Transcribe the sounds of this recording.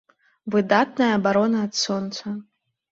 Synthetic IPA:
vɨd̪at̪̚nɐjɐːbaɾɔnɐːt̪sɔnt̪sɐ

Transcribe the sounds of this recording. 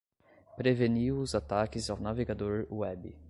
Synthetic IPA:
pɾeveniwuzat̪akizawnaveɡad̪oɾuɛbi

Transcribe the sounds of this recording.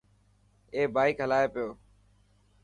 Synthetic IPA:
eːbaːɪkɦəlaːeːpɪjoː

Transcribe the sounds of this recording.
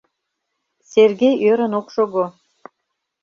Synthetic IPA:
serɡejøɾə̆nokʃoɣo

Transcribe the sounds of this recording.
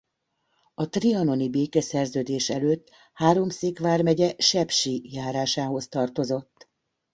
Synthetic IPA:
ɒt̪riɒno̞nibeːkɛsɛrzøːd̪eːʃɛløːt̪ː | haːɾo̞mseːkʋaːrmɛɟɛʃɛpʃijaːɾaːʃaːɦo̞st̪ɒrt̪o̞zo̞t̪ː

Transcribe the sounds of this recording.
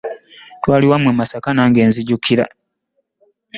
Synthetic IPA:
twaːliwamwemasakanaŋɡe̞ːnziɟukʰiɾa̰

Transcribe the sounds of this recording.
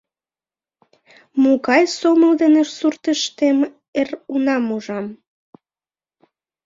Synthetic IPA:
muɣɑjsoməld̪eneʃsurt̪əʃt̪em | erunɑmuʒɑm

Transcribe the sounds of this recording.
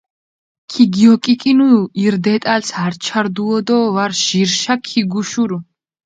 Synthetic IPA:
kʰiɡiɔkʼikʼinuiɾd̪ɛt̪ʼalshaɾt͡ʃʰaɾd̪uɔd̪ɔvaɾʃiɾʃakʰiɡuʃuɾu

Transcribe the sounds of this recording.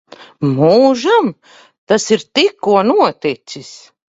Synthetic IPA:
muːʒam | t̪asiɾt̪ikːuɔnuɔt̪it̪sis

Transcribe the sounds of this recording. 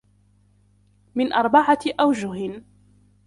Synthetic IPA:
mɪnʔɑɾˤbaʕaʔawd͡ʒʊh

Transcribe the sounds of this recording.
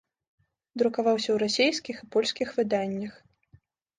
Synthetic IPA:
d̪ɾukavawsʲɐwɾasʲejskʲixɨpɔlʲskʲixvɨd̪anʲːɐx

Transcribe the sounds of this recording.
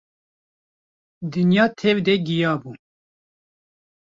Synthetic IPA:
d̪ɨnjɑːt̪ʰɛvd̪ɛɡijɑːbu

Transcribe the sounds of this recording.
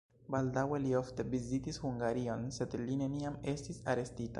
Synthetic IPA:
baldawe̞lio̞fte̞vizitishuŋɡaɾio̞nse̞dline̞niame̞stisaɾe̞stita̰

